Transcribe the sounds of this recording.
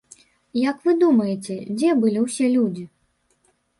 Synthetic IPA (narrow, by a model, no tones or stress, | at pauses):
jɐkvɨd̪umɐjɛt͡sʲɛd͡zʲɛbɨlʲiwsʲɛlʲud͡zʲi